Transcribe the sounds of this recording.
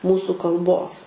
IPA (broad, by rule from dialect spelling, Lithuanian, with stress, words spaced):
ˈmuːsʊ kɐlˠˈboːs